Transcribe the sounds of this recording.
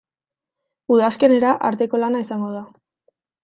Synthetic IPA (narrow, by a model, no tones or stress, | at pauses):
uðaske̞ne̞ɾaʔaɾt̪e̞ko̞lanaisaŋɡo̞ð̞a